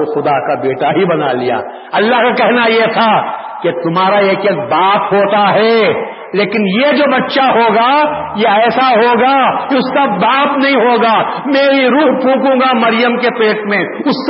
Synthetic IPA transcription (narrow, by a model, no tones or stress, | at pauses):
oxʊd̪akabeːʈaɦibɐna̰lija̰ː | ɐlːaɦkakɛɦnajet̪ʰa | ket̪ʊmɦaːɾaeːkeːk̚baːp̪ɦoːt̪aɦɛ | leːkɪnjed͡ʒoːbɐtːʃaɦoːɡa | jeɛːsaɦoːɡakeʊsːabaːpnɐɦĩɦoːɡamɛ̃ɦiɾuːɦpũːkũːɡamɐɾɪjəmkepeːʈmẽʊsː